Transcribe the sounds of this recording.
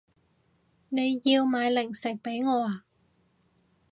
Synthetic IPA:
ne˨˧jjiː˧wmaː˨˧jlɪ˨˩ŋsɪ˨˩k̚pe˨˥jŋɔː˨˧aː˨˧

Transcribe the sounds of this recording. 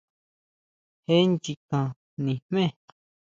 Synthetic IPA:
he˦nt͡ʃi˧kã˧ | nĩ˨hmẽ˦˨

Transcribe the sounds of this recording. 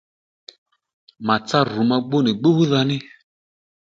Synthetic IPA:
ma˨t͡sa˦ru˨˦ma˧ɡ͡bo˦nɪ˨ɡ͡bo˦hu˦ða˧nɪ˦

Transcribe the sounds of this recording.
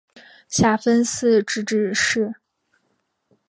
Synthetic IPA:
ɕja˥˩fə˥ns̩˥˧ʈ͡ʂɻ̩˥˩ʈ͡ʂɻ̩˥˩ʂɻ̩˥˩

